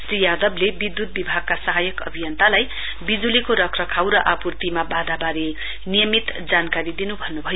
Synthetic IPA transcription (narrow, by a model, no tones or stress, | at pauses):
sɾijad̪ʌblebid̪ːut̪̚bibʱaɡ̚kasʌɦajʌkʌ̰bʱijʌnt̪alaj | bid͡zulikoɾʌkʰrʌkʰawɾʌʔapurt̪imabad̪ʱabaɾe | nijʌmit̪d͡zankaɾid̪inubʱʌnːubʱʌjo